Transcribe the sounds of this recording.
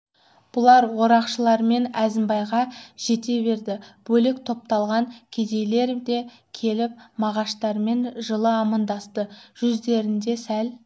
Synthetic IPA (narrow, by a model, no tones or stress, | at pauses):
b̥ʊlˠɑɾwo̞ɾɑqʃəlˠɑɾme̞næzɪmbɑjʁɑʒ̥e̞t̪e̞be̞ɾd̪ɪb̥ɵlɪkt̪ʰo̞p̚t̪ɑlˠʁɑŋkʲʰe̞d̪e̞jle̞ɾd̪e̞ | kʲʰe̞lɪp̚mɑʁɑʃt̪ɑɾme̞nʒəlˠəɑmɑnd̪ɑst̪əʒ̥ʏzd̪e̞ɾɪnd̪e̞sæl